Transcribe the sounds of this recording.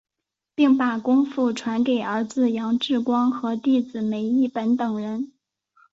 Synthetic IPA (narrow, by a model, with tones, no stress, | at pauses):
pi˥˩ŋpa˨˩kʊ˥ŋfu˥˩ʈ͡ʂʰwa˧˥nke˨˩ɪə˞˧˥d͡zɹ̩˧jɑ˧˥ŋʈ͡ʂɻ̩˥˩kwɑ˥ŋxɤ˧˥t̪i˥˩t͡sɹ̩˨˩me˧˥ɪi˥˩pə˧˥nt̪ɤ˨˩ŋɻə˧˥n